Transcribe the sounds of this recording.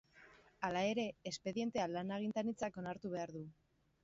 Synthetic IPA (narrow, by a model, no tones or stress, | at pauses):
alae̞ɾe̞ːspe̞ðje̞nt̪e̞alanaɣ̞int̪anit͡sako̞naɾt̪uβ̞e̞aɾðu